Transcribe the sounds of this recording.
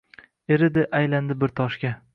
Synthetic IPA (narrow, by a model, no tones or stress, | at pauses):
eɾɪd̪ɪʔajland̪ɪbɪɾt̪ʰɒʃkʲa